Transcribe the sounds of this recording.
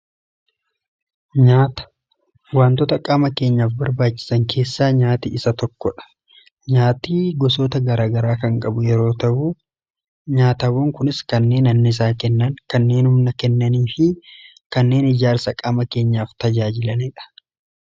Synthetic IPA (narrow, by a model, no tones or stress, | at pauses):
ɲaːt̪ɐ̥ | waːnt̪ɔt̪ɐkʼaːmɐke̞ːɲːaːfbɐɾbaːt͡ʃːɪ̥sɐŋkʰe̞ːsːaːɲaːt̪iʔɪsɐt̪ɔkːɔᶑɐ̥ | ɲaːt̪iːɡɔsoːt̪ɐɡɐɾaːɡɐɾaːkɐŋkʼɐbʊjɛɾo̞ːt̪ɐʔʊ | ɲaːt̪ɐwoːŋkʊnɪskɐnːe̞ːnɐnːɪɪs̬aːkɛnːɐŋkɐnːe̞ːnhʊmnɐkɛnːɐniːfɪ | kɐnːe̞ːnɪd͡ʒaːɾsɐkʼaːmɐke̞ːɲːaːft̪ɐd͡ʒaːd͡ʒɪlɐneːᶑɐ̥